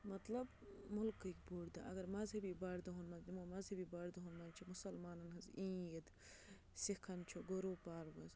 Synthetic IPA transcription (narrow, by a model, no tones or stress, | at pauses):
mɐt̪lɐb | mʊlkːɐikboːɽd̪a̰ʔɐɡɐɾmɐzɦɐbibɐɽd̪ɐɦonmɐznimomɐzɦɐbibɐɽd̪ɐɦonmɐnt͡ʃʰimʊsɐlmaːnɐnɦɐzĩːjɐd̪ | sikʰːɐnt͡ʃʰoɡoɾoːpaːɾbɐz